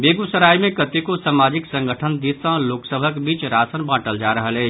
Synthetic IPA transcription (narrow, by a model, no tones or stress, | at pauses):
beɡusəɾajmẽkət̪ikosamad͡ʒiksə̃ŋɡʱəʈʰənd̪isə̃loksəbʱəkbiːt͡ʃɾasənbãʈəld͡ʒaɾəɦəlɛt͡ʃ